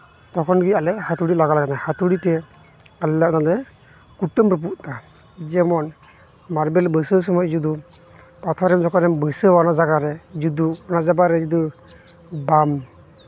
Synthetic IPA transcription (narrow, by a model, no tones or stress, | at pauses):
tɔkʰɔnɡialɛhatuɽilaɡalaɡɛnajhatuɽitɛ | allanalɛ | kutːəmpɾɔp̬uʔtad͡ʒɛmɔn | maɾbɛlbəsɯs̬ɔmɔjzudu | pat̪ʰɔɾɛmzɔkɔɾɛmbəsɯwanazaɡaɾɛzud̪uɔnazabaɾɛd͡ʒud̪ɯ | bam